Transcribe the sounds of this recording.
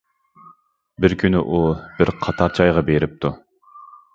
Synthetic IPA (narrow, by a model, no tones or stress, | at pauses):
bɪɾkʲʰynyʔub̥ɪɾqʰɑt̪ʰɑɾt͡ʃʰɑjʁɑbeɾɪp̚t̪ʰu